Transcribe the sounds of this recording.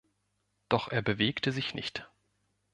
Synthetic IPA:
d̥ɔχʔeːɐbəveːktəzɪçnɪ̰çt

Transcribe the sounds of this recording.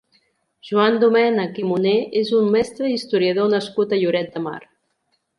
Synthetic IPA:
ʒ̥uand̪umɛnəkimuneezummɛst̪ɾəist̪uɾiəðonəskut̪əʎuɾɛt̪̚d̪əma̰ɾ

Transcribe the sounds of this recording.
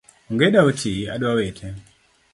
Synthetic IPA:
uŋɡɛɗautʰia̰ɗuwawɛtʰɛ

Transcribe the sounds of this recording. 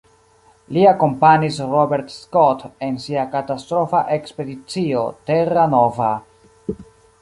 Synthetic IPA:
liako̞mpanisɾobe̞ɾtskote̞nsiakatast̪ɾo̞faʔekspe̞dit͡sio̞te̞ɾanova

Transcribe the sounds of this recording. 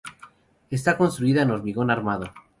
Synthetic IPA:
e̞st̪ako̞nst̪ɾuiðaeno̞ɾmiɣo̞naɾmaðo̞

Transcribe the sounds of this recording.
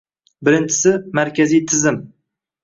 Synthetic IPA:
bɪɾɪnt͡ʃʰɪ̥sɪmaɾkʲʰazijt̪ʰɪzɪm

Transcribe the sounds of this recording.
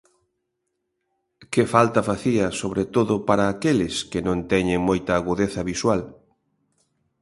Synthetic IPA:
kefalt̪ɐfaθiɐsoβɾet̪oðʊpaɾaːkelɪskenõnt̪ɛɲeŋmojt̪ɐːɣuðeθɐβiswal

